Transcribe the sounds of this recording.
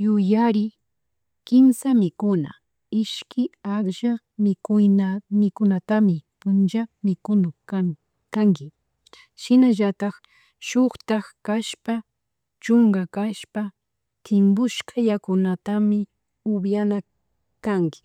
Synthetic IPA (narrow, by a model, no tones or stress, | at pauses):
jʊjaɾɪ | kɪmsamɪkʊna̰ | ɪʃkɪaχʒa | mɪkʊjnamɪkʊnat̪amɪpʊnt͡ʃamɪkʊnʊa | kaŋkɪ | ʃɪnaʒat̪ɑχ | ʃʊχt̪aχkaʃpa | t͡ʃʊŋɡakaʃpa | t̪ʰɪmbʊʃkʰajakʊnat̪amɪ | ʊbjana | kaŋkɪ̥